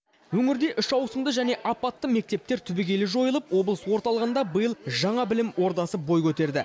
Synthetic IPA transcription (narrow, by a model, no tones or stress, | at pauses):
wɵŋɪɾd̪e̞ʔʏʃɑwsəmd̪əʒæne̞ʔɑpːɑt̪ːəme̞k̚t̪e̞p̚t̪e̞ɾt̪ʰʏbɪɡʲe̞lɪʒo̞jəlˠəpwo̞blˠəswo̞ɾt̪ɑlˠəʁənd̪ɑbəjəlˠʒɑɴɑbɪlɪmwo̞ɾt̪ɑsəbo̞jkʲʰɵt̪e̞ɾd̪ɪ